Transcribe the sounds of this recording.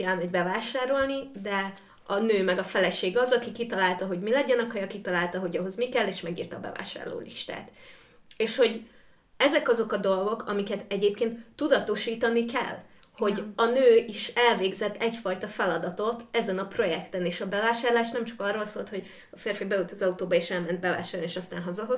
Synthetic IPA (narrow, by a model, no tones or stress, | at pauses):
ɛlmɛɟbɛvaːʃaːɾo̞lnid̪ɛ | ɒnøːmɛɡɒfɛlɛʃeːɡɒzɒkikit̪ɒlaːlt̪ɒɦo̞ɟmilɛɟɛnɒkhɒjɒkit̪ɒlaːlt̪ɒɦoɟɒɦo̞zmikɛlːeːʃmɛɡḭːrt̪ɒbɛ̰va̰ːʃa̰ːrlo̰ːlḭʃt̪a̰ːt̪ | eːʃho̞ɟ | ɛzɛkɒzo̞kɒd̪o̞lɡo̞kʰɒmikɛt̪ɛɟeːp̚keːnt̪ːud̪ɒt̪o̞ʃiːt̪ɒnikɛ̰lː | ho̞ɟɒnøːiʃɛlveːɡzɛt̪ːɛɟfɒjt̪ɒfɛlɒd̪ɒt̪o̞t̪ɛzɛnɒpro̞jɛkt̪ɛneːʃɒbɛvaːʃaːrlaːʃnɛmt͡ʃɒ̥kɒrːo̞lsoːlt̪ho̞ɟ | ɒfeːrfibɛut̪ɒzɒut̪oːbɒeːʃɛlmɛnt̪̚bɛva̰ːʃaːrnieːʃɒst̪aːnɦɒzɒɦo̞z